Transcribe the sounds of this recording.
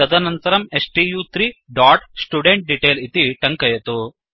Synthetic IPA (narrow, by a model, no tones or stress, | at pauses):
ɐd̪ɐnɐnt̪ɐɾɐmesʈiːjuːt̪ɾiːɖaːʈsʈuɖeɳʈ̚ɖiʈeːlit̪iʈɐŋkɐjɐt̪u